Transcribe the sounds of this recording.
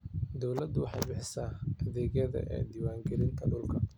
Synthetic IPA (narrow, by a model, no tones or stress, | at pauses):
d̪ɔwlɐd̪ʊwɑħɑjbɪħɪsaːɐðɛːɣjɐðɐ̰ʔɛ̰ːd̪iːwaːŋɡɛlɪnt̪ʰɐɖʊlkʰɐ